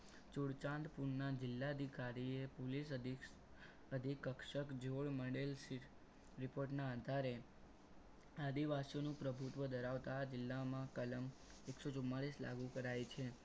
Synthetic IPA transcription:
t͡ʃuɽt͡ʃãnd̪puɳnad͡ʒɪlːaəd̪ʱikaɾiepolis̬ə | əd̪ʱikːəkʃəkd͡ʒoɭməɽelsiʈʰ | ɾɪpoɾʈnaːd̪ʱaɾe | ad̪iʋasijonũpɾəbʱut̪ʋəd̪əɾaʋt̪aːd͡ʒɪlːamãkələm | eksot͡ʃumːaɭisla̰ɡukəɾajt͡ʃʰe

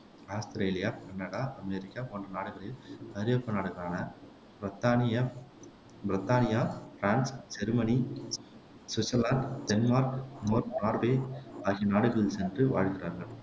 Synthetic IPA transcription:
aːst̪ɐɾeːlɪjaːkɐɳːɐɽaːʔɐmeɾɪkːapoːɳdɐnaːɽɯɣɐɭɪlkɐɾɪjɐpːɐnaːɽɯɣɐɾaːnɐ | ɐt̪ːaː | bɪɾɪt̪ːaːnɪjaːfɾaːnsd͡ʒɛɾɯmɐni | sɪsɐlaːnɖd̪ɛnmaːɾknoːɾnaːɾʋeːaːɣinaːɽɯɣɐɭɪlsɛndrɯʋa̰ːɻɣɪraːɾɣɐɭ

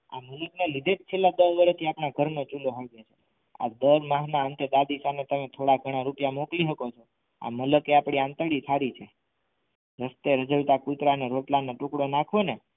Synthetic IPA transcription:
a̰mələknelid̪ʱed͡ʒt͡ʃʰelːad̪əɦʋəɾet̪ʰiapɳaɡʱəɾnot͡ʃuloɦəɭɡet͡ʃʰe | a̰d̪əɾmaɦnaənt̪ed̪ad̪isanet̪əmet̪ʰoɽaɡʱəɽ̃aɾupjamokliɦəkot͡ʃʰo | a̰mələkeapɽ̃iãnt̪əɽisʰaɾit͡ʃʰe | ɾəst̪eɾəd͡ʒəɭt̪akut̪ɾaneɾoʈlanoʈukɽonakʰʋone

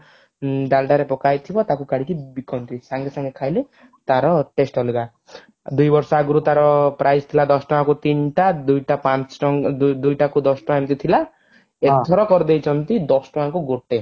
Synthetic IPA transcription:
ɖalɖaɾepɔkajt̪ʰibɔt̪akukaɽ̤ikibikɔnt̪isaŋɡesɔŋɡekʰajle | t̪aɾɔʈesʈɔliba | d̪ujbɔɾsɔaɡuɾut̪aɾɔpɾajst̪ʰilad̪ɔsʈɔakut̪inʈad̪ujʈapat͡ʃɔd̪ujʈakud̪ɔsʈɔaemt̪it̪ʰila | et̪ʰɔɾɔkɔɾd̪ejt͡ʃʰɔnt̪id̪ɔsʈɔakuɡoʈe

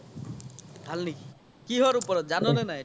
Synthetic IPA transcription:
bʱalniki | kiɦɔɾupɔɾɔt̪̚d͡ʒanɔnenaɦĩ

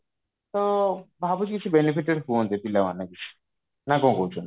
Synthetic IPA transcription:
t̪obʱabut͡ʃkit͡ʃʰubenifiʈeɖfond̪ep̪ilamanːakit͡ʃʰu̥ | nakõkowt͡ʃʰon

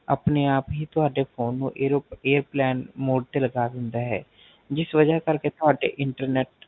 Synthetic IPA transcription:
ə̰pneaːpɦiːt̪ʊɦaːɖepʰoːnːṵ̃ʔeːɾopeːəɾplɛːnmoːɖ̚t̪eləɡaːd̪ɪ̃nd̪aːɦɛ̰ː | d͡ʒɪsʋəd͡ʒakəɾket̪ʊɦaːɖḛʔɪɳʈəɾneːʈ

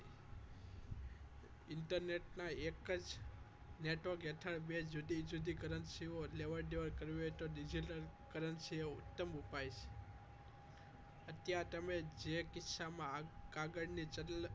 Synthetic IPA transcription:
ɪɳʈəɾneʈnaekəd͡ʒ | neʈʋəɾkeʈ̪ʰəɽbed͡ʒud̪id͡ʒud̪ʱikəɾənʃioleʋəɾɖeʋəɾkəɾjojt̪oɖid͡ʒiʈəɾkəɾənʃieʊ̰t̪ːəmupajʃe̥ | ət̪jaɾt̪əmed͡ʒekɪsamãɡaɡəɽnit͡ʃə

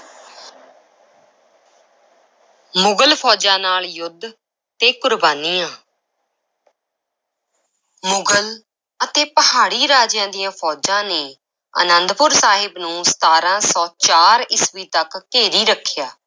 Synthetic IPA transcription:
mʊɡəlpʰɔːd͡ʒãːnaːljʊd̪ʱ | t̪eːkʊɾbaːniːãː | mʊɡəl | ət̪eːpəɦaːɽiːɾaːd͡ʒjãːd̪ijãːpʰɔːd͡ʒãːneː | ə̰nənd̪pʊɾsaːɦɪbnũːsə̥t̪aːɾãːsɔːt͡ʃaːɾɪsʋiːt̪əkːeːɾiːɾəkʰːjaː

